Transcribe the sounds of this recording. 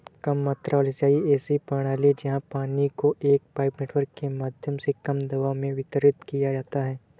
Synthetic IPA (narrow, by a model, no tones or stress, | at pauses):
kɐmːaːt̪ɾalesaːiɛːsipɐɽ̃aːlid͡ʒɐɦãpaːnikoʔeːk̚paːɪpneːʈwəɾkːemaːd̪ʱjəmsekɐmd̪ɐʋaːʋmẽʋɪt̪əɾɪt̪kijad͡ʒaːt̪aɦɛː